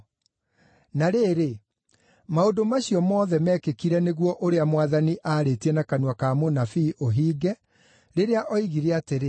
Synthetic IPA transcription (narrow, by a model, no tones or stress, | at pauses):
naɾeːɾe | maondomaɕiɔmɔːðɛmɛkekiɾɛneɣwɔʔoɾeamowaðaniʔaɾetiɛnakanwakamonafiːʔoɦiːɡɛ | ɾeɾeaʔɔiɣiɾeateɾe